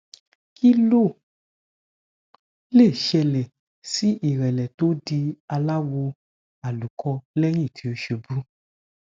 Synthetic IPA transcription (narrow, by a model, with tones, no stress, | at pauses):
ki˦lo˦˨ | le˦˨ʃɛ˧lɛ˨ | si˨˦ʔi˦˨ɾɛ˨lɛ˨to˨˦di˧a˧la˦wo˧ | a˨lu˨kʰɔ˧lɛ˦j̃ĩ˦˨tʰi˨˦o˧˦ʃe˧bu˦